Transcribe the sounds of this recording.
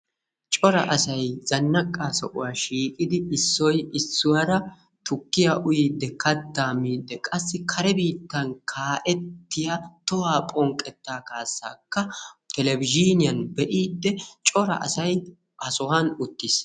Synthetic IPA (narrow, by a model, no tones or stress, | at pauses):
t͡ʃʼɔɾɐ̰ʔɐsɐjzɐnːɐkʼːaːsɔ̰ʔʊ̰waːʃiːkʼɪd̪ɪɪsːɔjɪsːʊwɐɾɐ | t̪ʊkːɪjaʔʊjiːd̪ːɛkɐd̪ːaːmiːd̪ːɛkʼɐsːɪkʰɐɾɛbiːt̪ːɐnkʰaːʔɛt̪ːɪjat̪ɔwaːpʼɔŋkʼːɛt̪ːaːkaːsːa̰ːkːɐt̪ʰɛlɛbɪd͡ʒiːnɪjɐnbɛʔiːd̪ːɛt͡ʃʼɔɾɐ̰ʔɐ̰sɐj | ɐsɔwɐnʊt̪ːis